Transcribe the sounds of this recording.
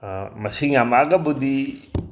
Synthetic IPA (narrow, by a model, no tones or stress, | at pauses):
mɐsiŋamaɡabud̪i